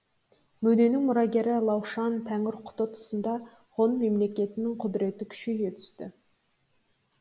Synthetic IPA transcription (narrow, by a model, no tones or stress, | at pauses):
mɵd̪e̞nɪŋmʊɾɑɡʲe̞ɾɪlˠɑwʃɑnt̪ʰæŋɪɾqʰʊ̥t̪ət̪ʰʊ̥sənd̪ɑ | ʁo̞nme̞mle̞kʲe̞t̪ɪnɪŋqʰʊd̪ɾe̞t̪ɪkʲʰʏ̥ʃkejɡʲet̪ʰʏ̥st̪ɪ̰